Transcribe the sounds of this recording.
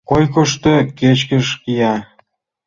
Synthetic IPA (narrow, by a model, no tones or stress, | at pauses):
kojk̬oʃt̪ĕket͡ɕkəʃkijɑ